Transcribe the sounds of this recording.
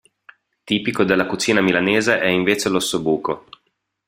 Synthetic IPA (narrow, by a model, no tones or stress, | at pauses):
t̪iːpikod̪elːakut͡ʃiːnamilaneːzeʔɛiɱveːt͡ʃelosobuːko